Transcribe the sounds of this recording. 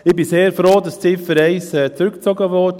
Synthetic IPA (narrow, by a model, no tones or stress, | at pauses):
ɪbiseːɾfɾoːdɑst͡sɪfəɾɛɪsɛːt͡sɾʏkt͡sɔɡəʋɔt